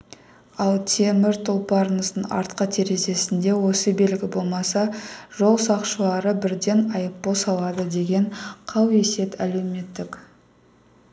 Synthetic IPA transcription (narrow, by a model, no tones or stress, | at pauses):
ɑlˠt̪ʰe̞mɪɾt̪ʰolˠpɑɾnəsənɑ̰ɾt̪qət̪ʰeɾe̞ze̞sɪnd̪e̞wo̞səbe̞lɡʲɪbo̞lˠmɑsɑʒ̥o̞lˠsɑqʃəlˠɑɾəbɪɾd̪e̞nɑjəpːosɑlˠɑd̪əd̪e̞ɡʲe̞ɴqʰɑwe̞se̞t̪ʰæle̞wme̞t̪ːɪk